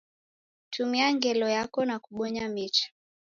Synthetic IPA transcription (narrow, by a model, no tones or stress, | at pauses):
tʰumiaŋɡɛlɔjakɔnakuɓɔɲamit͡ʃḁ